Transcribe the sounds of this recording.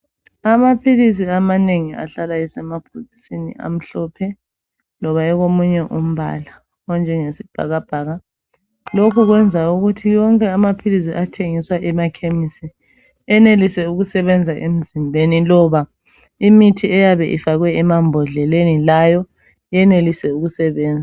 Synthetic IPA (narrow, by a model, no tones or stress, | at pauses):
amapʰilis̬iamaneŋia̰ɬalajɛsɛmapʰolisinḭʔa̰m̩ɬɔpʰɛ | lɔβaɛɣomuɲɛʔum̩βa̰la | ɔnd͡ʒʱɛŋesib̥ʱa̰ɣab̥ʱaːɣa | lokʰuɣwɛnd͡zʱauɣutʰijɔŋkʼɛamapʰilis̬iʔatʰeŋiswaʔɛmakʰemisi | ɛnelisɛuɣusɛβɛnd͡zʱaʔem̩zimbʱenilɔβa | imitʰiɛjaβɛʔḭfaɣwɛːmambʱɔɮɛlenilajɔ | jɛnelisɛuɣusɛβɛːnd͡zʱa